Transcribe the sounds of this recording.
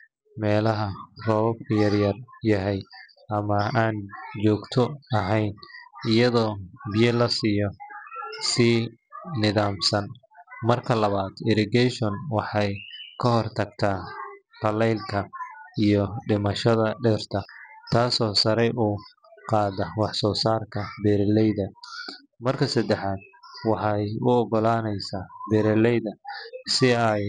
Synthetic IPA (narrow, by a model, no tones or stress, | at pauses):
mɛːlɐɦɐrɔːβɐb̚kʰɐjɐrjɐrjɐɦɛj | ɐmɐaːnd͡ʒɔːɡt̪ʰɔɐɦɛjnɪjɐðɔːbɪjɛlɐsiːjɔ | siːnɪðaːmsɐn | mɐrkʰɐlɐβaːd̪ɪɾɪɡɛjʃɔnwɑħɑjkʰɐhɔrt̪ʰɐɡ̚t̪ʰaːt̪ʰɐlɛjlkʰɐijɔɖɪmɐʃɐðɐɖɛrt̪ʰɐt̪ʰaːsɔːsɐɾɛjʔuː | qɑːðɐwɑħsɔːsaːrkʰɐbɛɾɛlɛjðɐ | mɐrkʰɐsɐd̪ɛħaːd̪̚wɑħɑjʊɔɡɔlaːnɛjsaːbɛɾɛlɛjðɐsɪɐj